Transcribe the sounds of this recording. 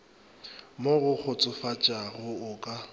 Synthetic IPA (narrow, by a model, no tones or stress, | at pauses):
moɣʊk͡xʰʊt͡sʼʊfat͡ʃʼaɣʊʊkʼa